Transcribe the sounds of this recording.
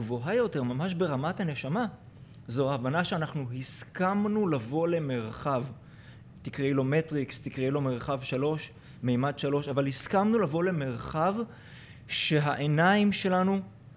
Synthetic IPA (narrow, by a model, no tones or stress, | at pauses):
vo̞ɦajo̞te̞ʁmamaʃbe̞ʁamathane̞ʃama | zoaːvanaʃeanaχnuhiskamnulavo̞le̞me̞ʁχav | tikʁilo̞metʁikst̪ikʁilo̞me̞ʁχavʃalo̞ʃ | mejmadʃalo̞ʃavalhiskamnulavo̞le̞me̞ʁχav | ʃe̞ɦaʔenaimʃe̞lanu